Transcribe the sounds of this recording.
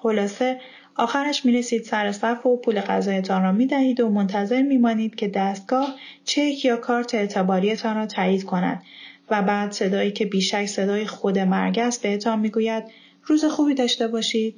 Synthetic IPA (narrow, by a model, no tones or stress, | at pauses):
xo̞lɒːse̞ | ɒːxæɾæʃmiːɾe̞siːd̪̥sæɾesæfopʰuːle̞ɣæ̰zɒːje̞t̪ʰɒːnrɒːmiːd̪æhiːd̪o̞mo̞nt̪ʰæze̞ɾmiːmɒːniːd̪̥cʰe̞d̪æst̪̚ɡ̥ɒːht͡ʃʰecʰjɒːkʰɒːɾt̪ʰeːt̪ʰebɒːɾije̞t̪ʰɒːnrɒːt̪ʰæːjiːd̪kʰo̞næ̰d̪̚væbæːd̪̥se̞d̪ɒːjiːcʰe̞biːʃæcʰse̞d̪ɒːjexo̞d̪e̞mæ̰ɾɟæzbe̞het̪ʰɒːnmiːɡuːjæd̪̥ | ruːze̞xuːbiːd̪ɒːʃt̪e̞bɒːʃiːd̪̥̚